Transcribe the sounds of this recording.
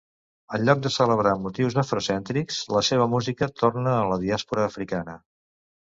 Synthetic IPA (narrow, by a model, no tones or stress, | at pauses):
əlʎːɔk̚d̪əsələβɾamut̪iwzəfɾusɛnt̪ɾikz̥ləseβ̞əmuzikət̪ornəːləðiaspuɾəːfɾikanə